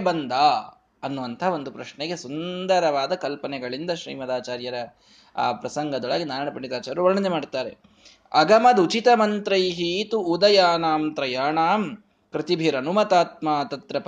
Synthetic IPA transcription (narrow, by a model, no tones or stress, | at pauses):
bɐnd̪aː | ɐnːuʋɐnt̪ʰɐɦaʋo̞nd̪upɾɐʃnɳeɡe̞sund̪ɐɾɐʋaːd̪ɐkɐlpɐnɛɡɐɭind̪ɐʃɾḭːmɐd̪aːt͡ʃaːɾjɐɾɐ | a̰ːpɾɐsɐŋɡɐd̪ɔɭɐɡinaːɾajɳɐpɐɳːit̪aːt͡ʃaːɾuʋɐɾɳɐnemaːɖt̪aːɾe | ɐ̰ɡɐmɐd̪ut͡ʃit̪ɐmɐnt̪ɾɐjɦiːt̪uud̪ɐjaːnaːmt̪ɾɐjaːɳaːm | kɾit̪ibʱiɾɐnumɐt̪aːt̪̚maːt̪ɐt̪ɾɐp